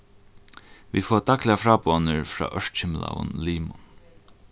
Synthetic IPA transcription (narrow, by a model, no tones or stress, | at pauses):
ʋifɔːt̪aklɪafɾaːponəɹfɾa̰ːʔœʂt̪t͡ʃɪmla̰vʊ̰nliːmʊn